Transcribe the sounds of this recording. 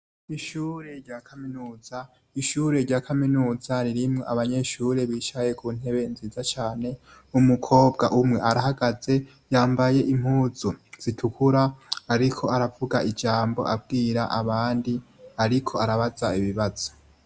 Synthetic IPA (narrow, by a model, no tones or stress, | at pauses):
iʃuːɾe̞ɾɟaːkʰaminuːz̥a | iʃuːɾe̞ɾɟaːkʰaminuːzaɾiɾimŋoʔaβaɲe̞ʃuːɾe̞βiːʃaje̞kʰuːn̥he̞βe̞nziːzat͡ʃaːne̞ | umukʰo̞ːb̚ɡaʔumŋe̞ʔaɾaɦaɡaze̞ | jaːmbaje̞ʔim̥huːzuz̥itʰukuɾaːɾikʰo̞aɾavuɡaʔid͡ʒaːmbo̞̰ʔab̚ɡiːɾaʔaβaːndi | aɾikʰo̞aɾaβazaiβiβaz̥o̥